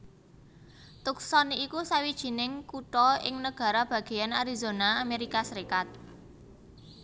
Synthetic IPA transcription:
t̪ʊk̚sɔniːkusawid̥ʒ̥i̤nɪŋkuʈɔɪ̰ŋnəɡ̥ä̤ɾab̥ä̤ɡ̥e̤janaɾizonaːmeɾikasəɾikat̪̚

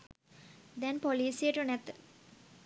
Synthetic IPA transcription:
d̪ɛnpoliːsieʈunɛt̪ːə

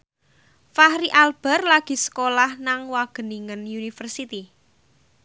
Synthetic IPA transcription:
fahɾiʔalb̥ɛ̤rlaɡ̥i̤sə̥kolahnaŋwaɡ̥ə̤niŋənjunifərsit̪i

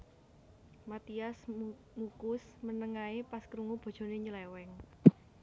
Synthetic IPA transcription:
mat̪ias | mukʊsmənəŋaepaskɾuŋub̥o̤d̥ʒ̥o̤neɲulɛwɛŋ

